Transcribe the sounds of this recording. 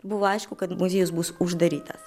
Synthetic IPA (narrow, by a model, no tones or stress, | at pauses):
buvajʃkʊkɐd̪muzʲijuzbusuʒd̪ɐɾʲit̪ɐs